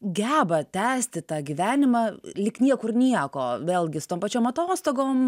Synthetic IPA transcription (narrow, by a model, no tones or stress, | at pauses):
ɡʲæːbɐt̪ʲæːsʲt̪ʲɪt̪ɑːɡʲɪʋʲæːnʲɪmɐlʲɪknʲiɛkʊrnʲiɛkoːʋʲeːlʲˠɡʲɪsʊt̪oːmpɐt͡ʃʲoːmɐt̪oːst̪oːɡoːm